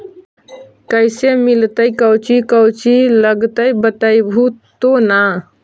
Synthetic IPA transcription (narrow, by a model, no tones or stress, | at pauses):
kəɪsemilt̪əjkəwt͡ʃikəwt͡ʃiləɡt̪əjbət̪əjbʱut̪ona